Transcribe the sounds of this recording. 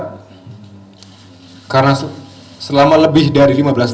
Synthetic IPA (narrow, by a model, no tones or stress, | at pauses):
karəna | səlamaləbɪhdaɾilimabəlas